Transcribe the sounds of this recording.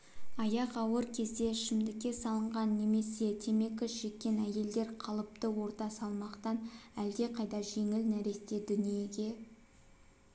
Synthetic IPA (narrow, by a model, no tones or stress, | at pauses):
ɑjɑqɑwəɾkʲʰe̞zd̪e̞ʃɪmd̪ɪkʲːe̞sɑlˠəɴʁɑnːe̞me̞se̞t̪ʰe̞me̞kəsʒ̥e̞kʲːe̞næje̞ld̪e̞ɾqʰɑlˠəp̚t̪əwo̞ɾt̪ɑsɑlˠmɑqt̪ɑnæld̪e̞qʰɑjd̪ɑʒe̞ŋɪlnæɾe̞st̪e̞d̪ʏnije̞ɡʲe̞